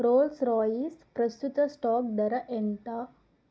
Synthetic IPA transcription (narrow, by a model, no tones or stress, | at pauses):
ɾoːlsɾɔːjispɾɐst̪ut̪ɐsʈɔːk̚ɖ̪ɐɾɐʔeɳʈaː